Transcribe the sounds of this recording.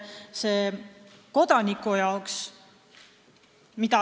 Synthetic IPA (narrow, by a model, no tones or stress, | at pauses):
seː | ko̞d̪̥ɑnikːujɑoks | mit̪ɑ